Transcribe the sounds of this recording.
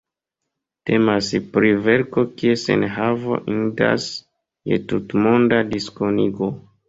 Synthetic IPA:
te̞maspɾive̞ɾko̞kiesḛnɦavo̰ʔinda̰s | jḛtutmondadiskoniɡo

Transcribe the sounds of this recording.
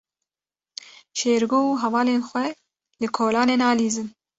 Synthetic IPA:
ʃeːɾɡoːuːɦɛvɑːleːnxʷwɛ | lɨkʰoːlɑːneːnɑːliːzɨn

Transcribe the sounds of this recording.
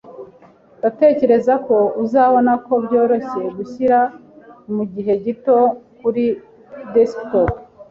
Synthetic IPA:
date̞ːce̞ɾe̞zako̞uzaːβo̞nako̞bɟo̞ːɾo̞se̞ɡuçiɾa | muɟiɦe̞ɟito̞kuɾi | destop

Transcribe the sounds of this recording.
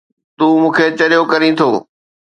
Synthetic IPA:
t̪uːmũːkʰet͡ɕɐɾijokɐɾĩt̪ʰoː

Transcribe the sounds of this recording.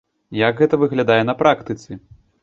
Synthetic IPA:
jɐɡɣɛt̪ɐvɨɣlʲad̪ajɛnɐpɾakt̪ɨt̪sɨ

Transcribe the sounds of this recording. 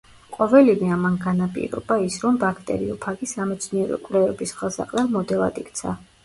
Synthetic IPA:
qʼɔvɛlivɛamanɡanapʼḭɾɔ̰baisɾɔmbakʰt̪ʼɛ̰ɾḭɔpʰaɡisamɛt̪sʰniɛɾɔ̰kʼvlɛvɛbisχɛlˠsa̰qʼlɛlmɔd̪ɛlˠa̰d̪ikʰt̪sʰa

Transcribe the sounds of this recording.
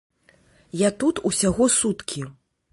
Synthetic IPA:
jat̪ut̪usʲaɣɔsut̪kʲi

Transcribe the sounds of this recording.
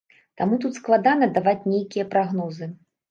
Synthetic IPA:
t̪amut̪ut̪sklˠad̪anɐd̪avat͡sʲnʲejkʲijɐpɾaɣnɔzɨ

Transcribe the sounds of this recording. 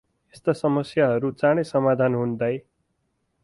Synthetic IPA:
est̪asʌmʌsjaɦʌɾut͡saɽ̃esʌmad̪ʱanɦund̪ʌj

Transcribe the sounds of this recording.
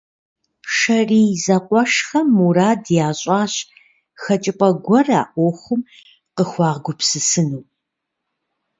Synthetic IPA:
ʂɐriːzɐqʷʼɔʂxɐmuɾaːdjaːɕʼaːɕ | xɐt͡ʃʼɪpʼɐɡʷɔra̰ːʔʷɔxʷʊm | qəxʷɑːʁɡʷʊpsɨsɨnuː

